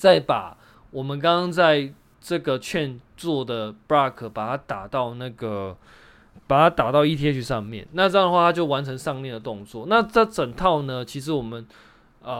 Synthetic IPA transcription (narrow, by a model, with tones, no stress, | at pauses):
t͡sa˥˩ɪpa˨˩ | wɔ˨˩mə˨˦nk̬ɑ˥ŋkɑ˥ŋt͡sa˥˧ɪ | ʈ͡ʂɤ˥˩ɡə˩t͡ɕʰɥɛ˥˧nt͡swɔ˥˩d̪ə˩pɹa˥kʰə˨˩pa˨˩t̪ʰa˥t̪a˨˩t̪ɑ˥˧ʊna˥˩ɡə˩ | pa˨˩t̪ʰa˥t̪a˨˩t̪ɑ˥˧ʊi˥˩t̪ʰjɛ˥t͡ɕʰy˥˧ʂɑ˥˧ŋmjɛ̰˥˨nna˥˧ʈ͡ʂɤ˥jɑ˥˧ŋdə˩xwa˥˩t̪ʰa˥t͡ɕjo˥˩ʊwa˧˦nʈ͡ʂʰə˧˥ŋʂɑ˥˧ŋnljɛ˥˩nd̪ə˩t̪ʊ˥˧ŋt͡swɔ˥˨na˥˧t͡sə˥˩t͡sə˨˩ŋt̪ʰɑ˥˩ʊnə˨t͡ɕʰi˧˥ʂɻ̩˧˥wɔ˨˩mə˨˦n | ə˩